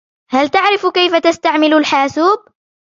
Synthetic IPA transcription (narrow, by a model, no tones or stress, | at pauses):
halt̪aʕɾɪfkajfat̪ast̪aʕmɪlʊlħaːsuːb̚